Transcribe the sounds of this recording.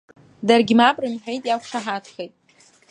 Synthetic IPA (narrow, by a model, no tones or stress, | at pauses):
darɡʲɪmabrɨmħʷᶣejtʼjakʷʰʂaħatʰχejtʼ